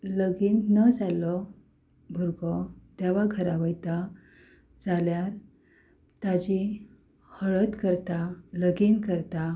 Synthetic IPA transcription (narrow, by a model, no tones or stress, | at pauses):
ləɡiːnːəd͡zalɔ | bʱuɾɡɔt̪aʋaɡʱəɾaʋəjt̪a | d͡zaljaɾ | t̪ad͡ʑi | həɭət̪kəɾt̪aləɡiːnkəɾt̪a